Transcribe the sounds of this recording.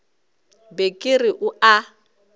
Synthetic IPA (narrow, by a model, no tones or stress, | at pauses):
bekʼɪrɪʔʊa